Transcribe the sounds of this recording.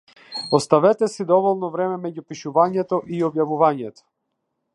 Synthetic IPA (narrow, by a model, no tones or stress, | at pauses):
ɔst̪avɛt̪ɛsid̪ɔvɔlˠnɔvɾɛmɛmɛɟupiʃuvaɲɛt̪ɔʔiɔbjavuvaɲɛt̪ɔ̥